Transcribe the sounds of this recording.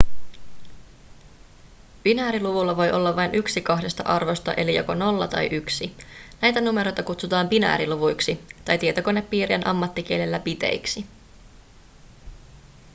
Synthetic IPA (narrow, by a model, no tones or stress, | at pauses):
pinæːɾiluʋulːɑʋo̞jʔo̞lːɑʋɑjnʔyksikɑhde̞st̪ɑʔɑrʋo̞st̪ɑʔe̞lijo̞̰ko̞no̞lːɑt̪ɑ̰jʔyksinæjt̪ænume̞ɾo̞jt̪ɑkut̪sut̪ɑːmpinæ̰ːɾiluʋujksit̪ɑjt̪iet̪o̞ko̞nːeppːiːɾienʔɑmːɑt̪ːik̟ielelːæpit̪e̞̰jksi